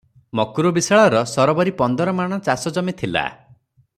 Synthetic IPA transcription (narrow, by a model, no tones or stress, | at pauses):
mɔkuɾubisaɭɔɾɔsɔɾɔbɔɾipɔnd̪ɔɾɔmaɽ̃ɔt͡ʃasɔd͡ʒɔmit̪ʰila̰